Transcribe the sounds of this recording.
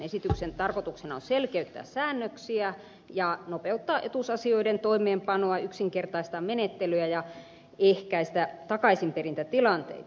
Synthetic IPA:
esit̪yksent̪ɑrkot̪uksenɑonselkeyt̪ːæ̰ːssæːnːøksiæ | jɑnopeut̪ːɑːʔet̪usɑsioident̪oimeːmpɑnoɑyksiŋkert̪ɑist̪ɑmenet̪ːelyæjɑ | ehkæist̪æt̪ɑkɑisimperint̪æt̪ilɑnt̪ḛit̪ɑ

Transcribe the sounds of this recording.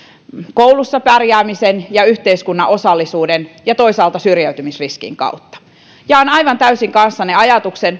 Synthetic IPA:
koulusːɑpærjæːmisenjɑyht̪eiskunːɑʔosɑlːisuːdenjɑt̪oisɑːlt̪ɑsyrjæyt̪ymisriskḭŋkɑ̰ut̪ːɑ̥ | jɑonɑiʋɑnt̪æysiŋkɑnsːɑneɑjɑt̪uksen

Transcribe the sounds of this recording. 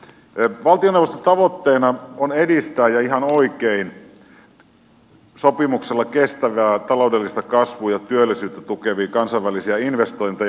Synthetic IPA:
ʋɑlt̪ionewʋost̪ont̪ɑʋot̪ːeːnɑonedist̪æːjjɑiɦɑnoikein | sopimukselːɑkest̪æʋæːt̪ɑloudelːist̪ɑkɑsʋuːjɑt̪yølːisyːt̪ːæt̪ukeʋiːkɑnsɑiʋʋælisiæinʋest̪oint̪e

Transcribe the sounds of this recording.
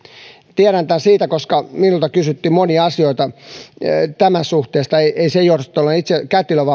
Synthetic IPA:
t̪iæɾænt̪ænsiːt̪ækoskɑminult̪ɑkysyt̪ːimoniɑɑsioit̪ɑ | t̪æmæsuht̪eːst̪ɑeiʔeisejorst̪ːˑolːenit̪sekæt̪iløʋɑ

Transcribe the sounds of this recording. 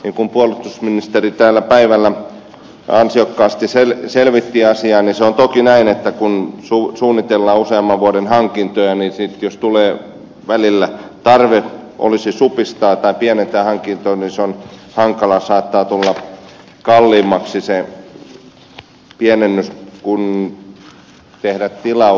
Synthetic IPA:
niŋkumpuolut̪usminist̪erit̪æːlːæpæiʋælːæ | ɑ̰nsiokːɑːst̪iselselʋit̪ːiːɑsiɑːniseont̪okinæinet̪ːækunsusuːnːit̪elːɑːuseɑmːɑʋʋuodenhɑŋkint̪ojɑnisit̪jost̪uleː | ʋælilːæt̪ɑrʋeʔo̰lisisupist̪ɑːt̪ɑipiænent̪æːhɑŋkint̪oniseonhɑŋkɑlɑsɑːt̪ːɑːt̪ulːɑ | kɑlːiːmːɑksise | piænenːyskun | t̪ehɾæt̪t̪ilɑ

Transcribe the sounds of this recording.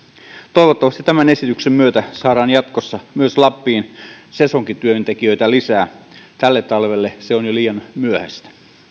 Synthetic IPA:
t̪o̞iʋot̪ːɑʋɑst̪it̪æmæne̞sit̪yksemmyøt̪æsɑːɾɑːnjɑt̪kosːɑmyøslɑpːiːnse̞soŋkit̪yøynt̪ekiø̞it̪ælisæːt̪ælːet̪ːɑlʋelːeseonjoliːjɑnmyøhæ̰st̪æ̥

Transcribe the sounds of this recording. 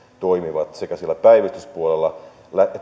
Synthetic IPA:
t̪oimiʋɑt̪sekæsielːæpæiʋist̪yspuolelːɑ | læe

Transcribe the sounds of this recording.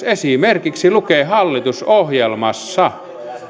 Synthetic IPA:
esimerkiksilukeːhɑlːit̪usohjelmɑsːɑ

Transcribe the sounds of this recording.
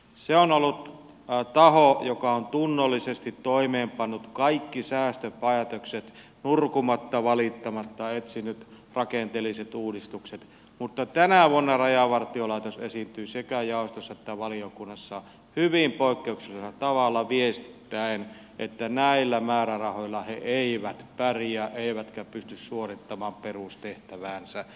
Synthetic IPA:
seonolːut̪ | t̪ɑhojokɑont̪unːolːisest̪it̪toimeːmpɑnːut̪kɑikːisæːst̪øpɑjɑt̪okset̪ | nurkumɑt̪ːɑʋɑlit̪ːɑmɑt̪ːɑet̪sinyt̪ | rɑkent̪elːˑiset̪uːdist̪ukset̪ | mut̪ːɑt̪ænæʋuonːɑrɑjɑʋɑrt̪iolɑˑit̪osesint̪yːsekæjɑˑost̪osːɑet̪ːæʋɑliokunːɑsːɑ | hyʋimpoˑikːeuksisɑsɑt̪ɑʋɑlːɑʋiest̪i̥tt̪ːæen | ʔet̪ːænæilːæmæːrærɑhoilːɑheʔeiʋæt̪pærijæʔeˑiʋæt̪kæpyst̪yssuorit̪ːɑmɑːmperust̪eht̪æʋæːnsæ

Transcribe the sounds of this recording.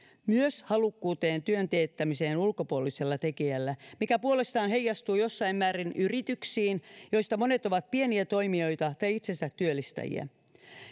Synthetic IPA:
myøshɑlukːuːt̪e̞ːnt̪yønt̪e̞ːt̪ːæmise̞ːnulko̞puo̞lise̞lːɑt̪e̞kiælːæmikæpuole̞st̪ɑːnɦejːɑst̪uːjo̞sːɑimmæːɾinʔyrit̪yksiːnjo̞jst̪ɑmo̞ne̞t̪o̞ʋɑt̪̚pie̞niæt̪o̞jmio̞jt̪ɑt̪ɑjit̪sensæt̪yølːist̪æ̰jḭæ̰

